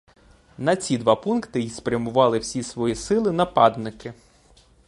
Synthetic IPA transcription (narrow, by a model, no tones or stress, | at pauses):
nɐt͡sʲid̪ʋɑpunkt̪ɪjispɾʲjɐmʊʋɑlˠɪwsʲisʋɔjisɪlˠɪnɐpɑd̪nɪkɪ